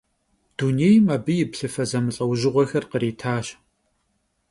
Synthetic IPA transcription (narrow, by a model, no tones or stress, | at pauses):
d̥unejmɐbɨjɪpɬɨfɐzɐmɨɬʼɐwʒɪʁʷɔxɐrqəɾiːtʰaːɕ